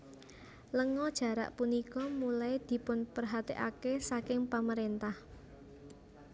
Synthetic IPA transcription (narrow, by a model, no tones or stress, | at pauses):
ləŋɔd̥ʒ̥ä̤ɾa̰ʔpunikɔmulajd̪̥i̤pʊnpərɦat̪eʔakesakɪŋpaməɾent̪ah